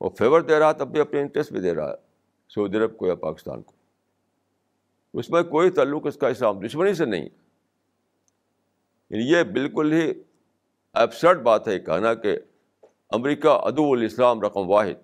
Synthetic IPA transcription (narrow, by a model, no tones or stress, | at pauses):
ɔ̰ːɾfʰeːʋəɾd̪eːɾaɦat̪ɐbːʱiɐpneɪ̃ɳʈɾesʈbĩd̪eːɾa̰ɦa̰ɦɛ̰ | sɐuːd̪iɐɾəb̚kojapa̰ːkɪ̥st̪a̰ːnko̥ | ʊsmẽkoːit̪aːlːʊqɪskaɪslaːmd̪ʊʃmənis̬enɐ̰ɦḭ̃ | ɐ̰nijebɪlkʊlɦi | ɛːbsəɾʈ̚baːt̪ɦɛkɐ̰ɦnake | ɐmɾiːkaʔɐ̰d̪uʊlɪslaːmɾɐqəmʋaːɦɪ̰d̪̚